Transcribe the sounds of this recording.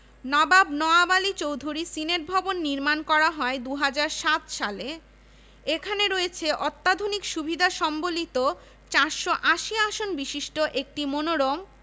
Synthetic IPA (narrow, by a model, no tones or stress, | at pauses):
nɔbabnɔabalit͡ɕowd̪ʱuɾisineɾ̚bʱɔbonːiɾmankɔɾaɦɔed̪uɦad͡ʑaɾʃat̪ʃale | ekʰaneɾojet͡ɕʰeʔɔt̪ːad̪ʱunikʃubʱid̪ʱaʃɔmbolit̪o | t͡ɕaɾʃoʔaʃiaʃonbiʃiʃʈoʔek̚ʈimonoɾom